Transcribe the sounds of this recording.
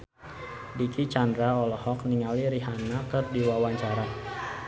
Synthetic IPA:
dikit͡ʃandɾaɔlɔhɔk̚niŋaliɾiɦanakɨrdiwawaɲt͡ʃaɾa

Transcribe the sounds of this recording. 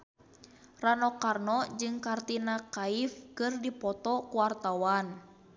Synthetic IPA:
ranɔkarnɔd͡ʒɨŋkart̪inakaifkɨrdipɔt̪ɔkuwart̪awan

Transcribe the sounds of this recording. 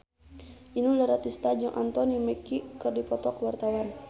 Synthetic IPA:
ʔinulaɾat̪ist̪ad͡ʒɔŋʔa̰nt̪ɔnimɛkikɨrdipɔt̪ɔkwart̪awan

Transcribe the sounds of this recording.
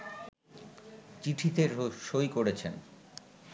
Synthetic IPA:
t͡ɕiʈʰit̪eɾʃojkoɾet͡ɕʰen

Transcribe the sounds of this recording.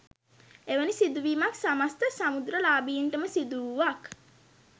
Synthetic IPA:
eʋənisid̪uʋiːmaksamast̪əsamud̪ɾəlaːbijiɳʈəməsid̪uʋak

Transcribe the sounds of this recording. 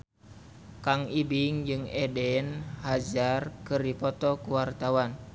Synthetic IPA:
kaŋibiŋd͡ʒɨŋɛdɛnhad͡ʒarkɨrdipɔt̪ɔkuwart̪awan

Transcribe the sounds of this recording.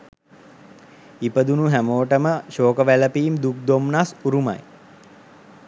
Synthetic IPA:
ipəd̪unuɦæmoːʈəməʃoːkəʋæləpiːmd̪uk̚d̪omnasuɾuma̰j

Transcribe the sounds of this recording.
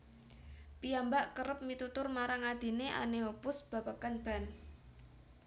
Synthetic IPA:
piambaʔkəɾəp̚mit̪ut̪ʊrmaɾaŋad̪̥e̤neʔa̰neopʊsb̥a̤bakanb̥a̤n

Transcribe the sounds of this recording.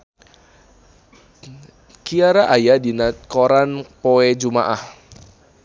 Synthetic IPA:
kiaɾaʔajadinat̪̚koɾanpoɛd͡ʒumaʔah

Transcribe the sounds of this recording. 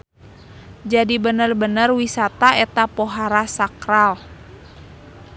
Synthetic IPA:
d͡ʒadibənərbənərwisat̪aɛt̪apoɦaɾasakɾal

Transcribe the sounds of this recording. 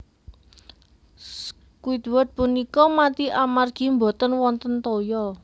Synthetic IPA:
kuit̪wət̪̚punikɔmat̪iʔamarɡ̥i̤mbo̤t̪ənwɔnt̪ənt̪ojɔ

